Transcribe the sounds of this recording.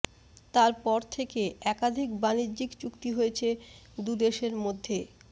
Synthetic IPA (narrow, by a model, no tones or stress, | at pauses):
t̪aɾpɔɾt̪ʰekeɛkad̪ʱikbanidd͡ʑikt͡ɕukt̪iɦoet͡ɕʰe | d̪ud̪eʃeɾmod̪ʱːe